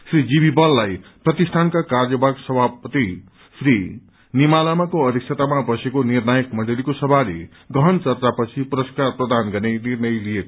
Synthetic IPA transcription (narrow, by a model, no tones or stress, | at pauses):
srid͡zibibʌlːajprʌt̪isʈ̪ʰankakarjʌbʱaɡsʌbʱapʌt̪i | sri | nimalamakoʌd̪ik̚sʰet̪amabʌsekonirnajʌkmʌɳɖelikosʌbʱalḛ | ɡʌɦʌnt͡sʌrt͡sapʌt͡sʰipuɾʌskarprʌd̪anɡʌrnenirnʌjlijeko